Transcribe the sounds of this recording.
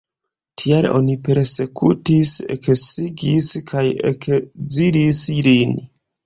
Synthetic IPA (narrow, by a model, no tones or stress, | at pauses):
tʰialo̰nipe̞ɾse̞kʰutisḛksiɡiskʰajḛkd͡ziɾislin